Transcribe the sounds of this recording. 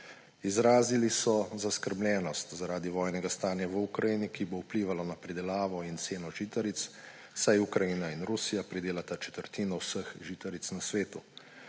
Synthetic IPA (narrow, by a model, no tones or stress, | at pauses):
izɾaːzilisɔzaskəɾbljɛːnɔst̪zaɾaːd̪iʋɔːjnɛɡast̪aːnjaʋukɾajinikiboupliːʋalɔnapɾid̪ɛlaːʋɔint̪seːnɔʒit̪aɾit̪s | sajukɾajinainɾusijapɾid̪eːlat̪at͡ʃɛ̥t̪əɾt̪iːnɔwsəxʒiːt̪aɾit̪snasʋeːt̪u